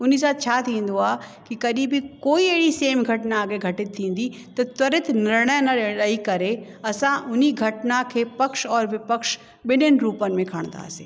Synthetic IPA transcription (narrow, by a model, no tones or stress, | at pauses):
ʊn̤is̬aːt̪̚t͡ɕʰat̪ʰĩːn̆d̪oaːkikɐɗibʱikoːieːɽiseːmɡʱɐʈnaːɡeɡʱɐʈɪt̪̚ʰːĩːn̆d̪it̪ɐt̪ɐɾɪt̪ʰnɐɾɽ̃əjnɐɗɗəikɐɾe | ɐsãʔʊniɡʱɐʈnakʰeːpəkʃɔːɾʋɪpəkʃ | ɓɪnənɪ̆ɾuːpənɪ̆mẽkʰəɽ̃nd̪a̰ːsḛː